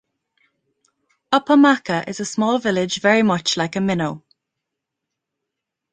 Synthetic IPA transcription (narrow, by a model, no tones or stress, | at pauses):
əpʰəmakəʔɪ̰zəsmɔːlˠvɪlɪd͡ʒvɛɹimʌt͡ʃlaɪkəmɪnoʊ